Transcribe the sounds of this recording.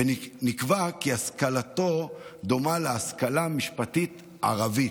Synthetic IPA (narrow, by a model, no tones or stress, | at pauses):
enikvakiaskalato̞d̪o̞maleaskalamiʃpatit̪ | a̰ʁavi